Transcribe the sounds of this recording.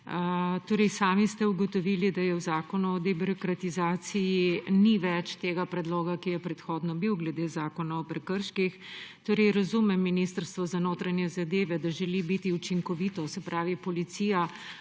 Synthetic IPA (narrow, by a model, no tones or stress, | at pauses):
t̪oːɾɛjsaːmist̪ɛuɡɔt̪ɔʋilid̪ajɛwzaːkɔnuɔd̪ɛbiɾɔkɾat̪izaːt̪sijiniʋɛt͡ʃt̪eːɡapɾɛd̪loːɡakijɛpɾɛt̪xoːd̪nɔbiwɡlɛd̪eːzaːkɔnaɔpɾɛkəɾʃkixt̪oːɾɛjɾɐzumɛmːinist̪əɾst̪ʋɔzanoːt̪ɾanjɛzad̪eːʋɛd̪aʒɛlibit̪iut͡ʃiŋkɔʋit̪ɔsɛpɾaːʋipɔlit̪sija